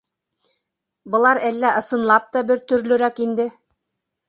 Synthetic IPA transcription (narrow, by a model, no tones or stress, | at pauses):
bɤ̆lˠɑɾælːæʔɤ̆sɤ̆nlˠɑp̚t̪ɑbɘɾt̪ɵ̆ɾlɵ̆ɾækind̪ɘ